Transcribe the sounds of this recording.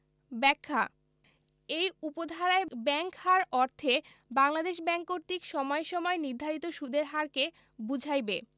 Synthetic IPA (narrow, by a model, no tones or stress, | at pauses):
bɛkʰːa̰ | ejupod̪ʱaɾaebɛŋkhaɾɔɾt̪ʰe | baŋlad̪eʃbɛŋkoɾt̪ikʃɔmɔeʃɔmɔeniɾd̪ʱaɾit̪oʃud̪eɾɦaɾke | bud͡ʑʱajbe